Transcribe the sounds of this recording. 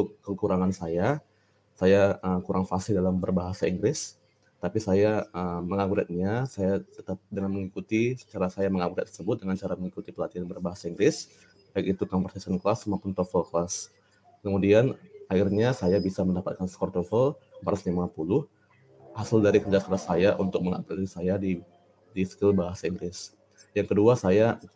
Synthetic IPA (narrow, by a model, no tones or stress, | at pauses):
t̪ʊkkːəkuɾaŋansaja | sajaʔəkuɾʔaŋfasɪdalambərbaɦasaiŋɡɾɪs | t̪apisajaəməŋaɡuɾat̪̚ɲasajat̪ət̪ap̚dəŋanməŋikut̪isə̥t͡ʃaɾasajaməŋaɡuɾɛt̪ːərsəbʊt̪̚dəŋant͡ʃaɾaməŋikut̪ipəlat̪ianbərbaɦasaiŋɡɾɪs | baik̚it̪ukaŋpɔrsasanklasːumapʊnt̪ofɔlklas | kəmudianaɪrɲasajabisaməndapat̪̚kanskɔrt̪ɔfəlbaɾasɲamaŋapulʊh | asɪldaɾikərd͡ʒask̪aɾasajaʔunt̪ʊk̚məŋa̰puisajadi | disə̥kɪlbaɦasaiŋɡɾɪs | jaŋkəduasaja